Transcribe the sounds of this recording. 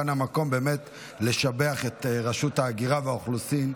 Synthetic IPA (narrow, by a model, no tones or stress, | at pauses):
anamako̞mbe̞ːme̞t | le̞ʃabeaχetʁaʃuthaːɡiʁaveaoχlusin